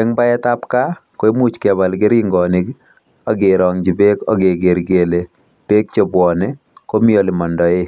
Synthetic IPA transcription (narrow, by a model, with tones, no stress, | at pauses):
ɛ˦ŋba˦ɛ˦ta˦pka˦ko˦i˦mu˦t͡ʃkɛ˨ba˨lkɪ˦ɾɪ˦ŋɡɔ˨nik | a˦ɡe˨ɾɔ˨ŋd͡ʒi˨pe˦kɔ̰˦ɡe˨ɡe˨ɾɡe˨le˨ | pe˦k̚t͡ʃe˨bwɔ˨ne | ko˦mio˨li˨mɔ˨ndɔ˨e˦